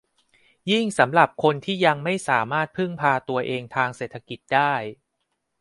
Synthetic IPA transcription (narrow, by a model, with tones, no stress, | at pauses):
ji˥˩ŋsa˩˦mɾa˨˩p̚kʰo˧nt̪ʰiː˥˩ja˧ŋma˥˩jsaː˩˦maː˥˩t̪̚pʰɯ˥˩ŋpʰaː˧t̪u˧ɐʔeː˧ŋt̪ʰaː˧ŋse˨˩t̪ʰːa˧ki˨˩t̪̚daː˥˩j